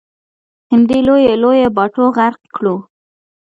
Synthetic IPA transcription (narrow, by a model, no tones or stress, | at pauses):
hɪmd̪ilojelojebɑʈoɣaɾqkɽu